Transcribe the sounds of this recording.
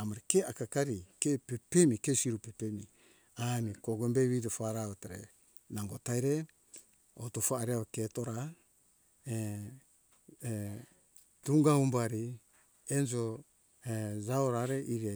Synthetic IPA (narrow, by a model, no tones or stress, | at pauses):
amaɾikeakakaɾikepepemikesiɾupepemi | anikoɡombeβidofaɾaβataɾḛ | naŋɡotajɾe | otofaːɾiaβaketoɾa | e | d̥uŋɡaumbaɾi | end͡ʒo | ed͡ʒaoɾaɾeʔiɾia